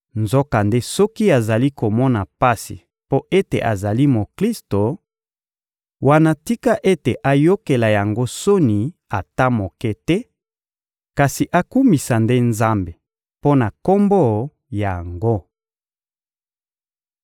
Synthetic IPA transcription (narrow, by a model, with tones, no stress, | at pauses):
nzo˦ka˨nde˦sɔ˦ki˦a˨za˨li˦ko˨mɔ˦na˨pa˦sḭ˨ | po˦ʔe˦te˨ʔa˨za˨li˦mo˨kli˦sto˨ | wa˨na˦ti˦ka˦ʔe˦te˨ʔa˨jo˦ke˨la˨ja˨ŋɡo˦so˦ni˨a˨ta˦mo˨kɛ˦tɛ˦ | ka˨si˨ʔa˨ku˦mi˨sa˨nde˦nza˦mbe˨ | po˦na˨ko˦mbo˦ | ja˨ŋɡo˦